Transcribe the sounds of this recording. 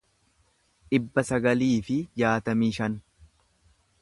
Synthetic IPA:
ᶑɪbːɐsɐɡɐliːfɪjaːt̪ɐmiːʃɐn

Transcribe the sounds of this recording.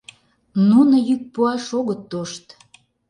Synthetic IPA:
nunojyk̚puɑʃoɣət̪ːoʃt̪

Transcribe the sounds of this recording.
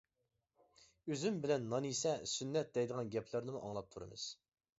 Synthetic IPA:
øzymbɪlɛnːɑnisɛsynːɛt̪̚d̪ɛjd̪əʁɑnɡʲɛpʰlɪɾnɪmuʔɑ̰ŋlˠɑp̚t̪ʰuɾɨ̰mɨ̰z̥

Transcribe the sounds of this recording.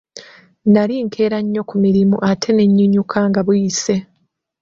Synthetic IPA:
naliŋkʰe̞ːɾaɲːo̞kumiɾimuʔatʰe̞ne̞ɲːuɲukʰaŋɡaβwise̞

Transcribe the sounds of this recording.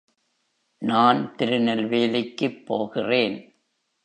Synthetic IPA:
naːnt̪ɪɾɯnɐlʋeːlɪkːɯpːoːɣɪreːn

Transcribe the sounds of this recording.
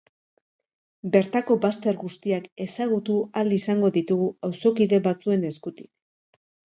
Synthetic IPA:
be̞ɾt̪ako̞bast̪e̞ɾɣust̪iake̞saɣ̞ut̪ualisaŋɡo̞ðit̪uɣuawso̞kiðe̞βat͡sue̞ne̞skut̪i̥k

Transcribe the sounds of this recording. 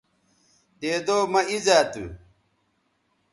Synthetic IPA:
d̪eːd̪oːmɐizaːt̪ṵ

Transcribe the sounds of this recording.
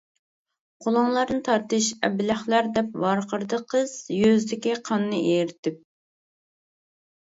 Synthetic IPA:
qʰolˠʊŋlˠɑɾnɨt̪ʰɑɾt̪ɨʃɛ̰bɪlæχlˠɑɾd̪ɛpvɑɾqʰəɾd̪əqʰəz̥jøzd̪ɪkʲiqʰɑnːɨʔejɾɪt̪ʰɪp̚

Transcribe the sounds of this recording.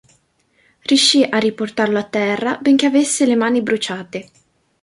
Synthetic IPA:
rjuʃːiʔarːiport̪arloat̪ːɛrːabeŋk̟eavesːelemaːnibɾut͡ʃaːt̪e

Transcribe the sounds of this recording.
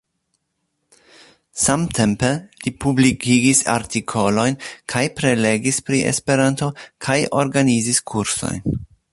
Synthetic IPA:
samtʰe̞mpe̞lipublikiɡisa̰ɾtikʰo̞lo̞jnkʰajpɾe̞le̞ɡispɾiʔḛspe̞ɾanto̞kʰajo̞ɾɡaniziskʰuɾso̞̰jn

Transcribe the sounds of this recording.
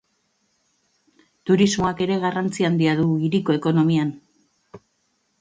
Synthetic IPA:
t̪uɾizmo̞ake̞ɾe̞ɣarant͡siand̪iaðuiɾiko̞e̞ko̞no̞mian

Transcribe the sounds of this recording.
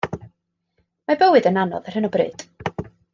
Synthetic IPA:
mabəwɨdənanɔ̰ðər̥hɨnɔbrḛːd̥

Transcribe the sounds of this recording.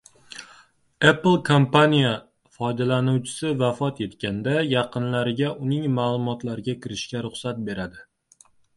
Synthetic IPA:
eplˠkʰompanija | fɒjd̪alanuwt͡ʃʰɪ̥sɪvafɒt̪je̞t̪kʲand̪ajɑqɨnlaɾɪɡʲaʔʊnɪŋmaːlˠʊmɒt̪laɾɪɡʲakʲʰɪɾɪʃkʲaɾʊχsat̪̚be̞ɾad̪ɪ

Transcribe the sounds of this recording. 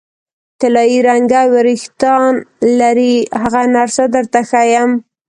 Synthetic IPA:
t̪ɪlɑjiɾaŋɡawɪɾɪxt̪ɑnlaɾihaɣanaɾsad̪əɾt̪axajam

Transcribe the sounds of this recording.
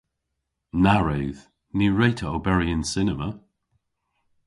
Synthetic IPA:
naɹeːð | niɹejtʰəobɛɹiɪnsɪnəmə

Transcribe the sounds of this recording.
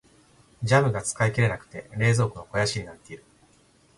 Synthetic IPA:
d͡ʑamɯ̟ɡat͡sɨ̥kaikeɾe̞nakɯ̟̥t̪e̞̰ɾe̞ːzo̞ːkɯ̟no̞ko̞jaɕiɲ̟inat̪ːe̞iɾɯ̟

